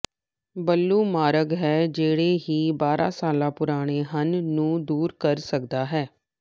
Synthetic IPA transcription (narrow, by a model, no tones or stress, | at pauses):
bəlːuːmaːɾəɡɦɛːd͡ʒeːɽeːɦiːbaːɾʔã̰ːsaːlãːpʊɾaːɽ̃eːɦənːũːd̪uːɾkəɾsək̚d̪aːɦɛː